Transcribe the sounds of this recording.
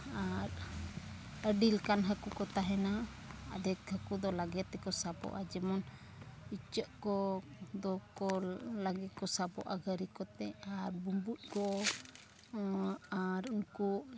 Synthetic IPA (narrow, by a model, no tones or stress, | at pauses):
aɾ | əɖilkanɦəkukɔt̪aɦɛna | a̰d̪ɛkhəkud̪ɔlaɡɛt̪ːɛkɔsabɔ̰ʔad͡ʒɛmɔn | it͡ʃəʔkɔd̪ɔkɔlaɡɛkɔsabɔ̰ʔaɡəɾikɔt̪ɛaɾbumbut̪̚ˀkɔ | aɾunkuʔ